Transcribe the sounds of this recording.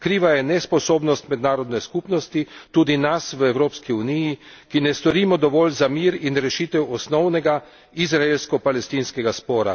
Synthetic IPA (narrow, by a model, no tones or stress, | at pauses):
kɾiːʋajɛnɛspɔsoːbnɔst̪mɛd̪naːɾɔd̪nɛskupnɔst̪it̪uːd̪inasʋəɛwɾoːpskiuniji | kinɛst̪ɔɾiːmɔd̪ɔʋɔːlzamiːɾinɾɛʃiːt̪ɛwɔsnɔwnɛɡa | izɾaelskɔpalɛst̪iːnskɛɡaspɔːɾa̰